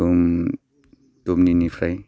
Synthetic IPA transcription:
om | t̪omninipʰɾaj

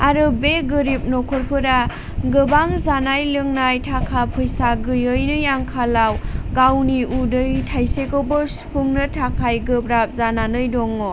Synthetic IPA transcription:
aɾɯbeɡɯɾip̚nɔkʰɔɾpʰɯɾa | ɡɯbaŋzanajlɯŋnajtʰakʰapʰɯjsaɡɯjɯjnɯjaŋkʰalawɡawniudɯjtʰajsekɯwbɯspʰuŋnɯtʰakʰajɡɯbɾap̚zananɯjdɔŋɔ

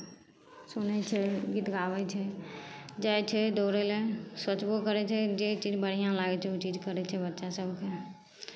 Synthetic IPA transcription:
sunɛt͡ʃʰɛɡit̪ɡabɛt͡ʃʰɛ | d͡ʒajt͡ʃʰɛd̪oɾɛlesət͡ʃbokəɾɛt͡ʃʰɛd͡ʒet͡ʃid͡ʒbəɽ̤ijãlaɡɛt͡ʃʰɛut͡ʃid͡ʒkəɾɛt͡ʃʰɛbətːʃasəbke

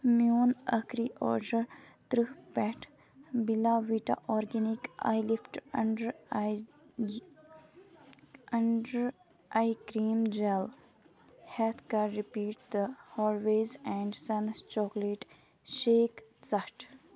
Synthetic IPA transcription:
mjoːnəkɾiʔɔ̰ːɾɖəɾ | t̪ɾɨhpɛʈʰ | bilaːʋiʈa̰ʔɔːɾɡɛnika̰jlifʈɐ̃ɳɖəɾ | ɐɳɖəɾ | ʔajkɾĩːmd͡ʒɛl | hɛt̪kaɾipiːʈ̚d̪əhɔːlʋeːzɛ̃ɳɖsɐ̃nt͡ʃɔːkleʈ | ʃeːksɐʈ

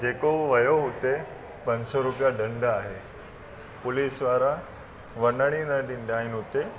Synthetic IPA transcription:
d͡ʑekoʋəjoɦot̪e | pəɲd͡ʑsɔɾupjaɖəɳɖəaɦe | pʊliːsʋaɾa | ʋənəɽ̃inəɖind̪ainɦot̪e

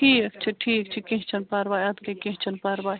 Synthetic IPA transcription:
ikɐk̚t͡ʃʰɐʈʰiːkk̚t͡ʃʰikẽɦt͡ʃʰɐnpaːɾʋaːjɐd̪kekẽɦt͡ʃʰɐnpaːɾʋaː

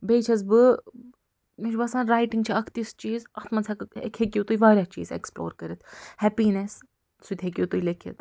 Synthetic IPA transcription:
beːt͡ʃʰɐz̬bɨ | miʃbɐsãːnɾaːjʈiŋɡ̚t͡ʃʰiɐkʰt̪ist͡ʃiːzɐxt̪mɐnsʰɐkḛkʰekʲut̪ujiʋaːɾʲaːt͡ʃḭːzḛksplo̰ːɾkɐɾit̪ʰhɛpiːnes | sut̪ʲɦek̬ʲjut̪ujlekʰḭt̪

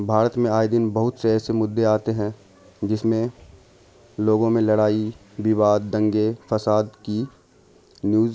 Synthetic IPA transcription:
bʱaːɾət̪mẽaːid̪ɪnbɐɦʊt̪seɛːsemʊd̪ːeaːt̪eɦɛ̃ | d͡ʒɪsmẽ | loːɡõmẽlɐɽaːi | bɪβaːd̪̚ːɐ̃ŋɡefɐsaːd̪ki | njuːz

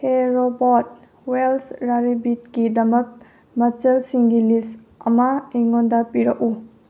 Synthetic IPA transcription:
heɾobot̚ | welsɾaɾibit̚kidɐmɐk̚ | mɐt͡ʃɐlsiŋɡilis | ɐmɐiŋondɐpiɾɐku

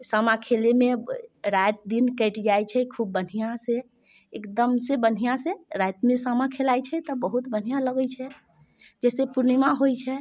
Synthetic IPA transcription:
samakʰelemeɾajt̪̚d̪inkəɪʈd͡ʒajt͡ʃʰɛkʰubːən̤ijãse | ekd̪əmsebən̤ijãseɾajt̪mesamãkʰelajt͡ʃʰɛt̪ɔbəɦut̪bən̤ijãləɡəjt͡ʃʰɛ | d͡ʒɛsepuɾnimaɦojt͡ʃʰɛ

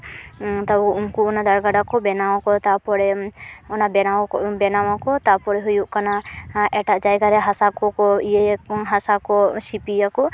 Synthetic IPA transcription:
t̪abuuŋkuɔnad̪aɾɡaɖakɔbɛnawakɔt̪apɔɽɛɔnabɛnawbɛnawakɔt̪apɔɾɛɦujuʔkanaʔɛʈaʔd͡ʒajɡaɾɛɦasakɔkɔijeɦasakɔsipijakɔ

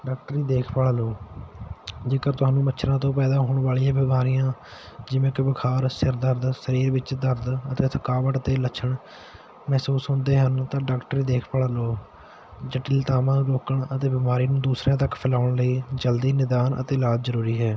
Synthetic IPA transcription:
ɖaːk̚ʈəɾiːd̪eːkʰpaːaːloː | d͡ʒeːkəɾt̪ʊaːnũːmətːt͡ʃʃʰɾãːt̪õːpɛːd̪aːɦoːɳʋaːɭijãːbɪmaːɾijãː | d͡ʒɪʋẽːkɪbəkʰaːɾsɪɾd̪əɾd̪səɾiːɾʋɪt͡ʃd̪əɾd̪ət̪eːt̪ʰəkaːʋəʈət̪eːlət͡ʃʰəɳ | mɛːsuːsɦõːnd̪eːɦənt̪ãːɖaːkʈəɾiːd̪eːkʰpaːɽaːloː | d͡ʒəʈiːlt̪aːmãːɾoːkəɳət̪eːbɪmaːɾiːnũːd̪uːsɾãːt̪əkpʰɪlaːʊɳləiːd͡ʒəld̪iːnɪd̪aːnʔə̰t̪eːlaːd͡ʒzəɾuːɾiːɦɛː

